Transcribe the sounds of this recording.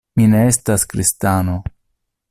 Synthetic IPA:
mine̞estaskɾistano̞

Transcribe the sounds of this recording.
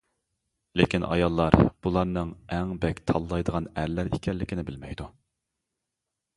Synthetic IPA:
lekʲinɑ̰jɑlˠːɑɾb̥ulˠɑɾnɨŋɛŋbɛkʲt̪ʰɑlˠːɑjd̪əʁɑnæɾlæɾḭkʲʰɛlːɪkʲʰɪnɪbɪlmɛjd̪u

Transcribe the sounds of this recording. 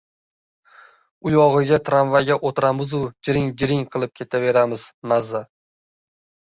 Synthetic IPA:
ʊjɒʁɨɡʲat̪ʰɾanvaɡʲaʔot̪ɾamɪzʊd͡ʒɪɾɪŋd͡ʒɪɾɪŋqʰɨlˠɪp̚kʲʰe̞t̪ʰave̞ɾamɪzmazːa

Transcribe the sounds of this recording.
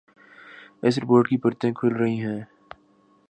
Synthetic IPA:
ɛ̰s̬ɾɪpoːɾʈkipɐɾt̪ẽkʰʊlɾɐɦiɦɛ̃ː

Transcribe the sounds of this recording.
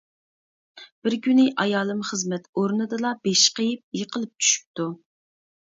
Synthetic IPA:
b̥ɪɾɡʲynɪʔɑjɑːlˠɨmχəzmɛt̪oɾnɨd̪ɨlˠɑbeʃqəjɪp̚jəqəlˠɨp̚t͡ʃʰy̥ʃy̥p̚t̪u

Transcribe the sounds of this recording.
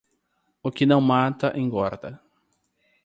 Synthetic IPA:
ʊkɪnɐ̃w̃mat̪ɐʔẽj̃ɡɔɾd̪ɐ̰

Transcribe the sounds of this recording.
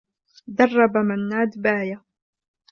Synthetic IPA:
d̪ɑrˤːɑbamanːaːd̪baːja

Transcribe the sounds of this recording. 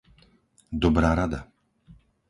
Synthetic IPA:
d̪ɔbɾaːɾad̪a

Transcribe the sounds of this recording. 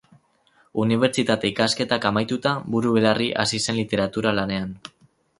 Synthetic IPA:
uniβ̞e̞ɾt͡ʃit̪at̪e̞ikaske̞t̪akamajt̪ut̪abuɾuβe̞lariʔasise̞nlit̪e̞ɾat̪uɾalane̞an

